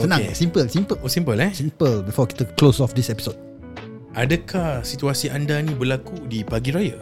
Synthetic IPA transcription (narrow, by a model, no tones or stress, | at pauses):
sənãŋsĩmpəlsĩmpəlsĩmpəlɛsĩmpəlbifɔkɛt̪əklosɔfdisɛpi̥sod̚ | ʔadəkʰahsit̪uasiʔandanĩbəlakudipaɡiɾajə